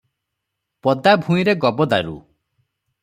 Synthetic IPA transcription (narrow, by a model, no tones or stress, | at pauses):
pɔd̪abʱũiɾeɡɔbɔd̪aɾṵ